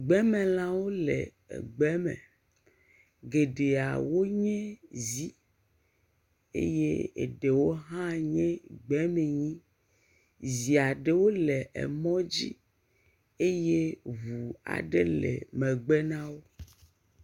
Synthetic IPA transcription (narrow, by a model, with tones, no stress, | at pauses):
ɡ͡bɛ˨˦mɛ̃˨l̃ã˦wo˦lɛ˨ | ɛ̰˨ɡ͡bɛ˦mɛ̰̃˨ | ɡe˨ɖe˨a̰˨wo˦ɲɛ̃˦zi˦ | ḛ˦jḛ˦ḛ˨ɖe˨wo˦ɦã˦ɲɛ̃˦ɡ͡bɛ˦mɛ̃˨ɲĩ˦ | zi˨a˨ɖe˦wo˦lɛ˨ʔɛ̰˨mɔ̃˦d͡ʑḭ˦ | e˦je˦vu˨a̰˨ɖe˦lɛ̰˨mɛ̃˨ɡ͡bɛ˦nã˦wo˦